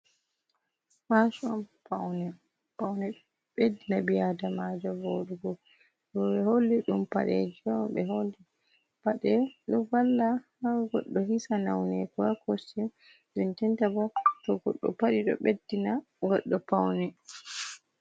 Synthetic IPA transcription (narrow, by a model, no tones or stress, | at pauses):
faʃɔmpawnɛ | pawnɛ | ɓedːinabijadamad͡ʒɔboɗuɡɔ | ɗɔɓɛholːiɗumpa̰ɗɛ̰d͡ʒamɓɛ̰ɦolːi | paɗɛɗɔvalːahaɡɔɗːɔhisana̰wnɛkakosim | ɗuntɛntabɔtɔɡɔ̰ɗːɔ̰paɗiɗɔ̰ɓedːina | ɡɔɗːɔpawnɛ